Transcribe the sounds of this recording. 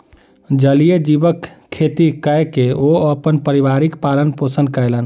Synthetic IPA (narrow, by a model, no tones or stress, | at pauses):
d͡ʒəlijed͡ʒibəkʰːet̪ikəjkeoəpənpəɾibaɾikpalənposənd̪kəjlən